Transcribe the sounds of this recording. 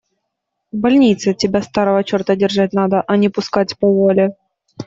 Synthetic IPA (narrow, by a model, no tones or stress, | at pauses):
vbɐlʲnʲit̪sɨtʲɪbʲast̪aɾəvət͡ɕo̞rt̪ədʲɪrʐat̚ʲnad̪əʔɐnʲɪpʊskatʲpəvolʲɪ